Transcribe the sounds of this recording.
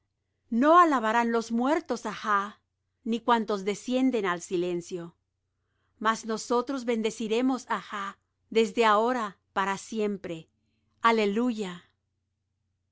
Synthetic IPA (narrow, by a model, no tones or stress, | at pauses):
no̞alaβaɾanlo̞zmwe̞ɾt̪o̞saxa | nikwant̪o̞zðe̞sje̞nd̪e̞nalsile̞nsjo̞ | mazno̞so̞t̪ɾozβe̞nd̪e̞siɾe̞mo̞saxa | ðe̞zd̪e̞ao̞ɾa | paɾasje̞mpɾe̞ | ale̞luʝa